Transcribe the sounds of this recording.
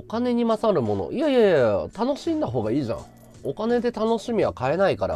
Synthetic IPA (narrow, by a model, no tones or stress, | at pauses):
okane̞ɲ̟imasaɾɯ̟mo̞no̞̰ʔijaijajjat̪ano̞ɕĩnd̪aɦo̞ːɡaiːʑã̰ɴ | o̞kane̞d̪e̞t̪ano̞ɕimʲiβ̞akae̞naikaɾa̰